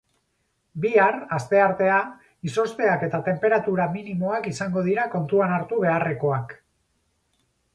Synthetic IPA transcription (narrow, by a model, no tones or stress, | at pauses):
biarast̪e̞aɾt̪e̞a | iso̞st̪e̞ake̞t̪at̪e̞mpe̞ɾat̪uɾaminimo̞akisaŋɡo̞ð̞iɾako̞nt̪uanaɾt̪uβ̞e̞are̞ko̞ak